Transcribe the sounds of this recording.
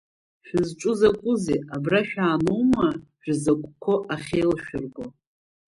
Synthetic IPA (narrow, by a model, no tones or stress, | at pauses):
ʃᶣɪzʈ͡ʂʼʊzakʷʼʊzḛabraʃᶣaːnuwmaʒ̥ᶣzakʷʼkʷʰo̞ʔaχʲejlʃᶣɪrɡo